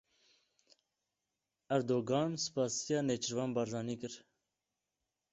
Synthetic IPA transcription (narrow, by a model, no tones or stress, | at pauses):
æɾd̪oːɡɑːnsɨ̥pɑːsijɑːnet͡ʃʰɨɾvɑːnbɑɾzɑːniːkɨɾ